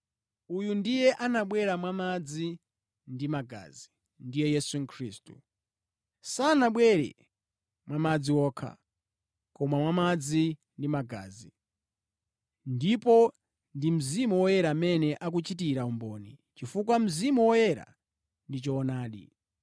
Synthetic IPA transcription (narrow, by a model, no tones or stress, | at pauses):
ujundijɛʔanaɓwɛɾamwamad͡zi | ndimaɡa̰zi | ndijɛjɛsuŋ̩kʰɾiːstu | saːnaɓwɛɾɛ̰ | mwamad͡ziwɔːkʰa̰ | kɔmamwamad͡zi | ndimaɡa̰ːzi | ndipɔ | ndim̩zimuwɔjɛɾaːmɛnɛʔak̬ut͡ʃit̬iɾaumbɔːnit͡ʃifukwam̩zimuwɔjɛɾa̰ | ndit͡ʃɔːnaːɗḭ